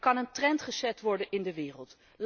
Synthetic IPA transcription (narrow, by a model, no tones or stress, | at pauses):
kɑnəntrɛntχəzɛtʋɔɹdənʔɪndəʋɪːrəlˠt | l